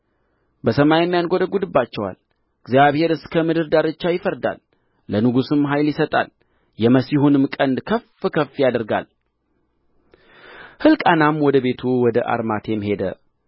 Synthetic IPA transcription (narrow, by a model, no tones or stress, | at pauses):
bəsəmajɛmːjanɡod̪əɡud̪ɨbːat͡ʃːɛwa̰l | ɨɡzjaβhe̞ɾɨskʰəmɨd̪ɨɾd̪aɾɨt͡ʃːajɪfəɾd̪a̰lː | ənɨɡusɨmɦajljɪsət̪ʼa̰l | jɛməsihunɨmkʼənd̪kʰəfɨkʰəfːjad̪əɾɡa̰l | hɨlkʼanamwɔd̪əβe̞t̪ʰuwɔd̪əʔa̰ɾmat̪ʰe̞mhe̞d̪ə̰